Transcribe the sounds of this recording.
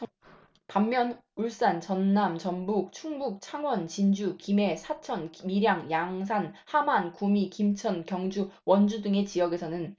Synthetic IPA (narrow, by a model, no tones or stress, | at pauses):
pamːjʌnuɭs͈ant͡ɕʌnːamt͡ɕʌmbuk̚t͡ɕʰuŋbuk̚t͡ɕʰaŋwʌnt͡ɕind͡ʑukime̞sʰat͡ɕʰʌnmiɾjaŋjaŋs̬ʰanhamankumikimt͡ɕʰʌnkjʌŋd͡ʑuwʌnd͡ʑudɯŋe̞t͡ɕijʌɡe̞sʰʌnɯn